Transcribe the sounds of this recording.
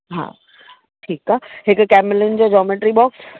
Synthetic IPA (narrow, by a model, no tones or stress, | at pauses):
ɦa̰ː | ʈʰiːkaːɦɪkkɛːmɪlɪnd͡ʑoːd͡ʑɔːmeʈɾibɔːks